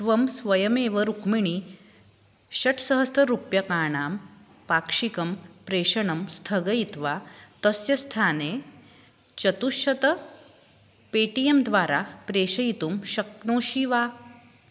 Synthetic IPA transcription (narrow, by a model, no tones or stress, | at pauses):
t̪ʋɐmsʋɐjɐmeːʋəɾukmiɳ̃iː | ɕɐʈʰsɐɦəst̪ɐɾupjɐkaːɳaːm | paːkʂikɐmpɾeːɕɐɳɐmst̪ʰɐɡɐit̪ʋat̪ɐsjɐst̪ʰaːneː | t͡ɕɐt̪uʃɐt̪ɐ | peːʈijemd̪ʋaːɾapɾeːɕɐjit̪uːmɕɐk̚noːɕiʋaː